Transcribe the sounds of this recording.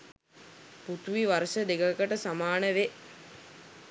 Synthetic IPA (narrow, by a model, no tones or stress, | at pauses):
put̪uʋiʋaɾəʃəd̪eɡəkəʈəsamaːnəʋe